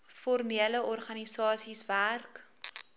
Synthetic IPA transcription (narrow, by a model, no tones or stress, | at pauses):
fɔrmiələɔrχɐnisɑːsisværk